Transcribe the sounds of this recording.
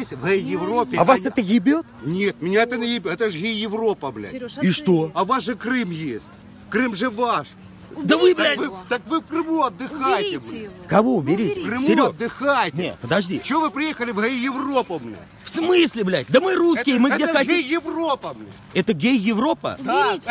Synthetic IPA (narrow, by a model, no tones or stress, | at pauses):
esʲvɣɛjjɪvropʲːɪavasɛt̪əɣʲɪbʲot̪̚nʲet̪̚mʲɪnʲaɛt̪ənʲəɣʲɪbʲɛt̪əʐɣʲejjɪvro̞pəblʲæ̰tʲiʂt̪oɐvasʐɨkrɨmjesʲtʲ | kɾɨmʐɨvaʂ | d̪əvɨblʲvɨt̪əkvɨfkɾɨmuɐd̪ːɨxajɪtʲɪblʲ | kɐvobʲɪɾʲitʲɪkrɨmɪɾʲɐd̪ːɨxajʲnʲḛt̪pəd̪ɐʐd̪ʲit͡ɕɪovɨpɾʲɪjexəlʲɪvɣejɪvro̞pʊmnʲa̰ | fsmɨsʲlʲɪblʲætʲd̪əmɨɾuskʲɪjəmɨeɐejjɪvro̞pəmnʲa̰ | ɛt̪əɡʲejjɪvɾo̞pə̰a